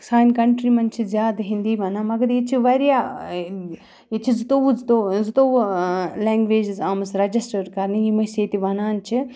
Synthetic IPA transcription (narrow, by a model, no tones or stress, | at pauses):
saːnkɐɳʈɾimɐnt͡ʃʰizjaːd̪ɦind̪iːʋɐnaːmɐɡɐɾit͡ʃʰiʋɐɾja | it͡ʃʰizt̪oʋzt̪ozɨt̪oːʋleːŋɡʋeːd͡ʒizaːmɐsɾɐd͡ʒisʈɐɾkɐɾnɨjimɐseːt̪iʋɐnaːnt͡ʃʰi